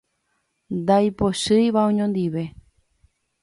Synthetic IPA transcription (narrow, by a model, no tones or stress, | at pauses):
nd̪ajpoʃɨjʋaõɲõnd̪iʋe̞